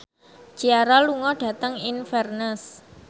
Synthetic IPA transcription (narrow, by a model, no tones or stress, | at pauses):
d͡ʒ̥iaɾaluŋɔɖ̥ä̤t̪əŋinfɛrnəs